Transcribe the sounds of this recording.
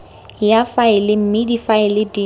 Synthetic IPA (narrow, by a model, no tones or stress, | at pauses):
jafaɪlɪm̩mɪdifaɪlɪdi